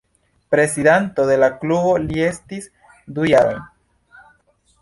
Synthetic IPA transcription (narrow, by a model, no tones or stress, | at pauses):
pɾe̞sidanto̞de̞laklubo̞lie̞stis | dujaɾo̰jn